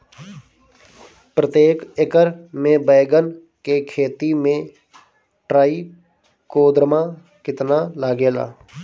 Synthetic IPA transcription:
pɾət̪eːkekəɾmẽbəːɡən | kekʰeːt̪imẽ | ʈɾaːi | koːd̪ɾəma | kɪt̪nalaːɡeːla̰ː

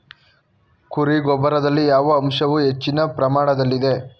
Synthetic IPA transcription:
kuɾiɡɔbɐɾɐd̪ɐlːijaːʋɐːmʂɐʋuɦe̞t͡ʃːinɐpɾɐmaːɽɐd̪ɐlːid̪e̞

